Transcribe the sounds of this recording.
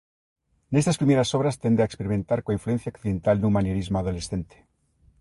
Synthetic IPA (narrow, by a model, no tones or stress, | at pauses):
ne̞st̪aspɾime̞ɾasoβ̞ɾast̪e̞nd̪eaekspeɾiment̪aɾkwaĩɱflue̞n̟θjaokθiðe̞nt̪alnũmanjeɾizmoaðo̞le̞sθe̞nt̪e̥